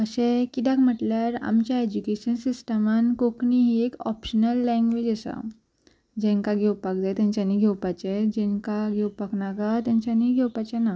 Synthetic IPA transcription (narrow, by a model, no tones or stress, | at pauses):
əɕẽkit̪ãkm̤əʈljaɾa̰mt͡ɕjaed͡ʑukeɕənsisʈəmankokniɦiekɔpɕənəlːɛ̃ŋɡʋed͡ʑəsa̰ | d͡ʑɛ̃ŋkaɡʱewpak̚d͡zajt̪jãɲt͡ɕanːiɡʱɛwpat͡ɕed͡ʑɛ̃ŋkaɡʱewpaknaɡat̪jãɲt͡ɕaniɡʱɛwpat͡ɕɛna